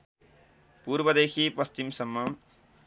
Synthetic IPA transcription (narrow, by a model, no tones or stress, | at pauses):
puɾbʌd̪ekʰipʌst͡ʃimsʌmːʌ